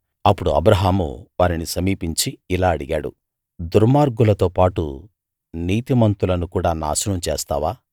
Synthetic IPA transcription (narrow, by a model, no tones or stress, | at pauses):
ɐpːuɽuɐ̰bɾɐɦaːmṵʋaːɾinisɐmiːpiɲt͡ʃiilaːɐɽiɡaːɽṵ | d̪uɾmaːɾɡulɐt̪o̞ːpaːʈṵ | niːt̪imɐnt̪ulɐnukuːɽaːna̰ːsunɐmt͡ʃḛːst̪a̰ːʋaː